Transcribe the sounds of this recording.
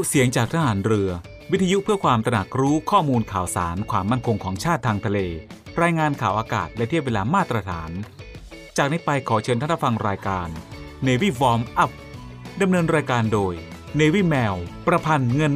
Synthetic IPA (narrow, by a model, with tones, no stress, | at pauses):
u˥si˨˩˦əŋt͡ɕaː˨˩k̚t̪ʰaː˧haː˩˦nɾɯ˧ɐ | wi˦˥t̪ʰːa˧ju˦˥ʔpʰɯ˥˩kʰwaː˧mt̪ɾa˧na˨˩k̚ɾuː˦˥kʰɔː˥˩muː˧nkʰaː˨˩wsa̰ː˩˦nkʰwaː˧mːa˥˩nkʰo˧ŋkʰɔː˩˦ŋt͡ɕʰaː˥˩t̪ʰːaː˧ŋt̪ʰa˧leː˧ɾaː˧jŋaː˧nkʰaː˨˩wʔaː˧ka̰ː˨˩t̪̚lɛ˦˥t̪ʰi˥˩əp̚weː˧laː˧maː˥˩t̪ɾa˧t̪ʰaː˩˦n | t͡ɕaː˨˩k̚na˧˥jpa˧jkʰɔː˩˦t͡ɕʰɤː˧nʰa˥˩a˥fa˧ŋɾaː˧jkaː˧nː | eː˧wiː˦˥˩wɔː˧˥mʔa˦˥˩p̚ | da˧mnɤː˧nɾaː˧jkaː˧ndoː˧j | neː˧wiː˥˩mɛː˧wpɾa˧pʰa˧nŋɤ˧n